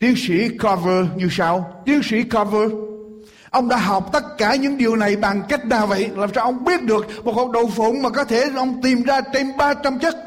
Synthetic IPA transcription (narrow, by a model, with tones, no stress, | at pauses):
t̪i˧˦əŋsi˧˩kɔ˧vəː˧ɲɨ˨˩sa˧wt̪i˨˧˦əŋsḭ˧˥kɔ˧vəː˧ | ʔə˧wŋ͡mɗa̰ː˧˥ɦɔ˨˩wk͡p̚t̪ə˦˥t̚kaː˧˩ɲɨ̰˧˥ŋɗi˨˩əwna˨˩jɓa˨˩ŋka˦˥jk̟̚naː˨˩wvə̰˧˨jlaː˨˩msaː˧wʔə˧wŋ͡mɓi˦˥ət̚ɗɨ˨˩ək̚mo˨˩t̚ha˨˩k͡p̚ɗə̰˨˩wŋ͡mfo˧˩ŋ͡mmaː˨˩kɔ˨˦t̪ʰe˧˩ʔə˧wŋ͡mt̪i˨˩mzaː˧t͡ɕe˧mɓaː˧t͡ɕa˧mt͡ɕə˦˥t̚